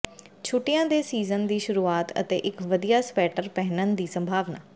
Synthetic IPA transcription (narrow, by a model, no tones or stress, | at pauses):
t͡ʃʰʊʈɪjãːd̪eːsiːzənd̪iːʃʊɾuːaːt̪ə̰t̪ḛːʔɪkʋəd̪ijaːspɛːʈəɾpɛɦnənd̪iːsə̃mbʱaːʋnaː